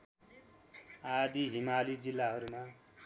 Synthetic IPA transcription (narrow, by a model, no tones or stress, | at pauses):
ad̪iɦimalid͡zilːaɦʌɾuma